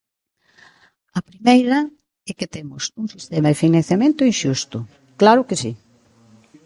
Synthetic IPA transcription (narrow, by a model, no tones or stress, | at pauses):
ɐpɾimejɾɐ | ɛket̪emʊsuŋsist̪emɐðefinɐ̃n̟θjamẽnt̪ʊinʃust̪ʊ | klaɾʊkesi